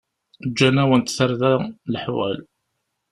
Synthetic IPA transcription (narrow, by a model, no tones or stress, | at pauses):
d͡ʒːænæwənt̪θəɾðælħwæ̰l